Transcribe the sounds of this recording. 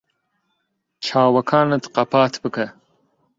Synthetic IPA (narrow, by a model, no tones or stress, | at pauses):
t͡ʃʰɑːwɐkʰɑːnɐt̪qɐpɑːt̪ʰbɨkɐ